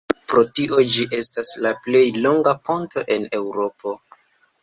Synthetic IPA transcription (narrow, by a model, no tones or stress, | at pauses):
pɾo̞tiʔo̞d͡ʒiʔe̞staslaple̞jlo̞ŋɡapo̞nto̞ʔe̞ne̞wɾo̞pʰo̞